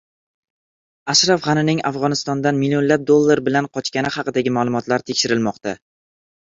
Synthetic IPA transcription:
aʃɾafʁɑnɪnɪŋafʁɒnɪst̪ɒnd̪anmilio̞nlap̚d̪olˠːaɾbɪlanqʰɒt͡ʃkʲanɪχɑqɨd̪aɡʲɪmaːlˠʊmɒt̪ʰlaɾt̪ʰekʲʃɪɾɪlmɒqt̪a

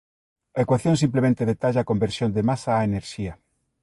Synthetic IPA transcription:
aekwaθjõns̬implemẽnt̪eðet̪aʎaːkombeɾsjond̪emasaːeneɾʃiɐ

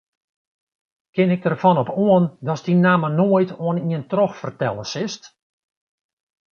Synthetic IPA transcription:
kɪnɪk̚dərfɔnɔpoəndɔsdinaːmənoəjtʰoəniəntrɔxfərtɛlˠəsɪst

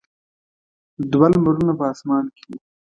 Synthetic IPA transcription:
d̪walmaɾunapəɑsmɑːnke̥i

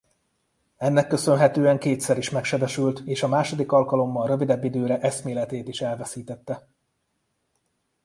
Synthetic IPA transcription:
ɛnːɛkːø̞sø̞nɦɛt̪øːɛŋkeːt̪sɛɾiʃmɛkʃɛbɛʃylt̪eːʃɒmaːʃo̞d̪ikɒlkɒlo̞mːɒlrø̞vid̪ɛbːid̪øːɾɛʔɛsmeːlɛt̪eːt̪iʃɛlvɛsiːt̪ɛt̪ːɛ

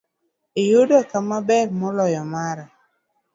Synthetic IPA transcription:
ɪjʊdɔkamabɛrmɔlɔjɔmaɾa

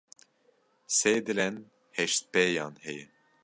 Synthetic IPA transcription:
seːd̪ɨlɛn | hɛʃt̪̚pɛjɑːnhɛjɛ

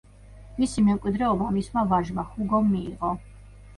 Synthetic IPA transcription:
misimɛmkʼwid̪ɾɛɔbamismavaɾʒmaχuɡɔmːiːʁɔ

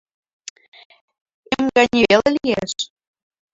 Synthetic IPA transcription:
emɡɑnʲielelijeʃ

